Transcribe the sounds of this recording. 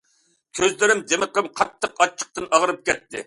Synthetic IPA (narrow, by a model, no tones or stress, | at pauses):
kʲʰøzlɪɾɪmd͡ʒ̪emɨqəmqʰɑt̪ʰːəqɑt͡ʃʰːə̥q̚t̪ɨnɑʁəɾɨp̚kʲɛt̪ːɪ̰